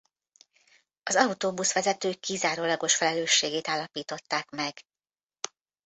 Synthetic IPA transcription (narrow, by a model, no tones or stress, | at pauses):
ɒzɒut̪oːbusʋɛzɛt̪øːkːizaːɾoːlɒɡo̞ʃfɛlɛløːʃːeːɡeːt̪aːlːɒpiːt̪o̞t̪ːaːkmɛɡ̥